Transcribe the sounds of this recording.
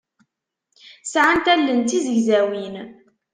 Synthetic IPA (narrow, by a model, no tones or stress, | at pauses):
sʕant̪ælːənt̪izəʝzæwin